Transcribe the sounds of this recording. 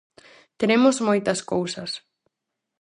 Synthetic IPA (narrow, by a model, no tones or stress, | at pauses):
t̪eɾemʊzmojt̪ɐskowsɐs